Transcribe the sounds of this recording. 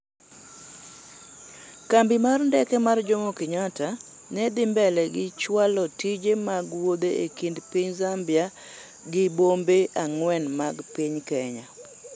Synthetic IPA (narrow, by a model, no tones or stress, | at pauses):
kambimarndɛkɛmard͡ʒomokɪɲata | nɛdɪmbɛlɛɡɪt͡ʃwalɔtid͡ʒemaɡwod̪eekindpiɲzambja | ɡɪbombeʔaŋwɛnmaɡpɪɲkɛɲa